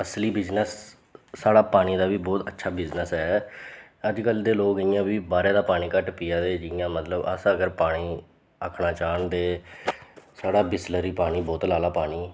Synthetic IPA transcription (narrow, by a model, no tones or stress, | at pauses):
əsliːbɪznəsː | aːɽaːpaːɽ̃iːd̪aːʋiːbɔːt̪ətːʃʰaːbɪznəsɦɛː | əd͡ʒkəld̪eːloːkəjãːbiːbaːɾeːd̪aːpaːɽiːkəʈpiːjaːd̪eːd͡ʒɪjãːmət̪ləbə̰səɡəɾpaːɽ̃iː | əkʰɳaːt͡ʃaːɳd̪eː | saːɽaːbɪsləɾiːpaːɽ̃iːbɔːt̪laːlaːpaːɽiː